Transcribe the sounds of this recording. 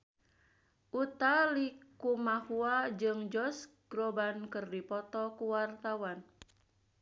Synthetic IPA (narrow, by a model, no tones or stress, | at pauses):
ʔut̪alikumahuad͡ʒɨŋd͡ʒɔs | ɡ̥ɾɔbankɨrdipɔt̪ɔkuwart̪awan